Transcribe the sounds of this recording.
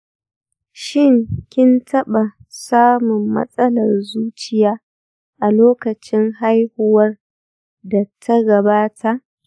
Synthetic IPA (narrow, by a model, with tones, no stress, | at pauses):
ʃɪ˦˨ŋkʲɪ˦ntʰɐ˦ɓa˨saː˦mʊ˨mːɐ̰˦sʼɐ˦lɐ˨rzuː˦t͡ʃɪ˦jaː˦ | ʔa˨loː˦kɐ˨t͡ʃɪ˦ŋɦa˦jhʊ˨wɐ˦r | da˨tʰɐ˦ɡɐ˨baː˦tʰa˨ʔ